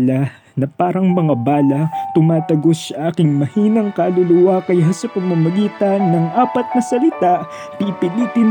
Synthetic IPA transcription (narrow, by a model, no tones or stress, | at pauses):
lɐ | nɐpaːɾɐŋmɐŋabaːlɐt̪ʊmaːt̪ɐɡo̞sɐʔaːkɪŋmɐhiːnɐŋkɐlʊlʊwakɐjasɐpɐɡmamɐɡiːt̪ɐnːɐŋʔaːpɐt̪̚nɐsɐlɪt̪aʔ | pipɪliːp̪ɪn